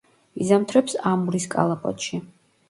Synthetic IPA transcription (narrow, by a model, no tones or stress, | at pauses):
izamt̪ʰɾɛpsamuɾiskʼa̰lˠapʼɔ̰t̪ʃi